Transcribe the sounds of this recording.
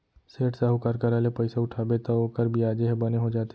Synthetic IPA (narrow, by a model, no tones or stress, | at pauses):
seːʈsəɦukɐɾkɐɾaːlepəɪsaʊʈʰaːbet̪ooːkəɾbʱiaːd͡ʒeɦɛbɐneɦod͡ʒaːt̪e